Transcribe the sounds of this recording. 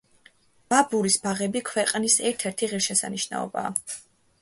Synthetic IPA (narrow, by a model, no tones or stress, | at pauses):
b̥abuɾisbaʁɛbikʰwɛqʼnisɛɾt̪ʰɛɾt̪ʰiʁiɾʃɛsa̰niʃna̰ɔ̰ba̰ː